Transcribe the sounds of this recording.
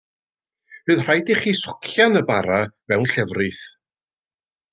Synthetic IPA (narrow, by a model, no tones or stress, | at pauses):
hɨːðr̥ajdɪχiːsʊ̥kʰjanəbaɾavɛwnɬɛvrɨθ